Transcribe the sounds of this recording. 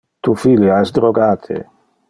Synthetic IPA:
t̪ufiljaɛsd̪ɾoɡaːt̪ʰḛ

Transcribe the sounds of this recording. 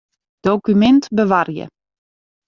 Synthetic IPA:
d̥okymɛntbəʋarjə̰

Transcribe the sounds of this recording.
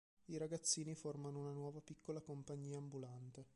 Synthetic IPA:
iɾaɡat̪sːiːniformanounanwɔːvapikːolakompaɲːiːaːmbulant̪e

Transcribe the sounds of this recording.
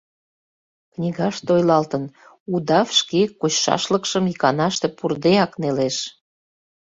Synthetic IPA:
knʲiɣɑʃt̪ojlɑlt̪ən | ud̪ɑfʃkekut͡ɕʃɑ̰ʃləkʃəmikɑnɑʃt̪epurd̪eɑkneleʃ

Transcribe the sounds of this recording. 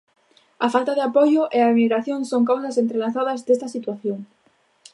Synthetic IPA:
ɐfalt̪aðɪapojʊʔeamiɣɾaθjoŋsoŋkaws̬ɐsent̪ɾelaθaðɐzd̪est̪ɐsit̪waθjoŋ

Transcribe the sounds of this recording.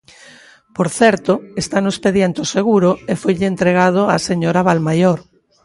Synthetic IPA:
poɾθɛɾt̪oest̪anoespeðjent̪oseɣuɾoefojʎɪent̪ɾeɣ̞að̞oaseɲoɾaβalmajoɾ

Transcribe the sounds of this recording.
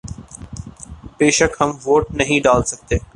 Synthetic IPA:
b̥eːʃəkɦɐmʋoːʈ̚nɐɦĩɖaːlsɐk̚t̪eː

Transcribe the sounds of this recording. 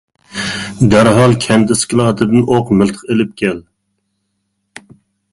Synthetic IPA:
d̪æɾɦɑlˠkʲʰɛnt̪ɪskʲɪlˠɑːt̪ʰɨd̪ɨnʔoqmɪlˠt̪ʰə̥qelɪp̚kʲʰɛl

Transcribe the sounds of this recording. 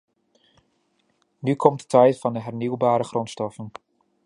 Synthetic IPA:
nykʰɔmtə̥tʰɛjtfɑndəɦɛrniwbaːɾəχrɔntstɔfən

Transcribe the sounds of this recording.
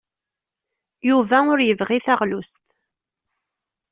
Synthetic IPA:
juvæʊɾjəvʁiθaʁlust̪

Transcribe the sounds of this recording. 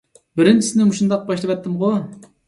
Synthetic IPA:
bɪɾɪnt͡ʃʰisɪnɪmuʃund̪ɑq̚bɑʃlˠɨvɛt̪ʰːɨmʁo

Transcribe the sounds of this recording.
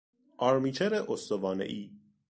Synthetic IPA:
ʔɒːɾmiːt͡ʃʰeɾeʔost̪ovɒːnḛʔiː

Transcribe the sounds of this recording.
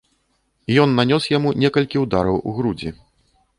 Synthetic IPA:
ijɔnːanʲɔsjamunʲɛkɐlʲkʲiwd̪aɾɐwṵɣɾud͡zʲḭ

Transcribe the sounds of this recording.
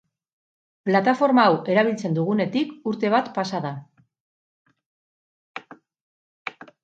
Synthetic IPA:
plat̪afo̞ɾmaːwe̞ɾaβ̞ilt͡se̞nd̪uɣ̞une̞t̪ikuɾt̪e̞β̞at̪pasaða

